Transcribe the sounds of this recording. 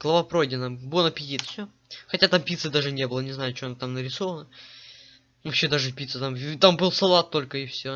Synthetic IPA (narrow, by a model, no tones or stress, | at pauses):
ɡlˠəvɐpɾojdʲɪnəbonəpʲɪtʲit̪fsʲo | xɐtʲat̪ampʲit̪sɨd̪aʐɨnʲebɨlˠənʲɪznajʊt͡ɕoɐnat̪amnəɾʲɪsovənə | vɐpɕːe̞d̪aʐɨpʲit̪sɨt̪amt̪ambɨlˠsɐlˠat̪ːo̞lʲkəɪfsʲo